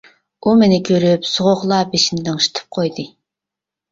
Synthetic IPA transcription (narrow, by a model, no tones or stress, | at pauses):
umenɪkʲʰøɾypsʊʁoχlˠɑbeʃind̪ɪŋʃi̥t̪ʰɨ̥p̚qʰojd̪ɨ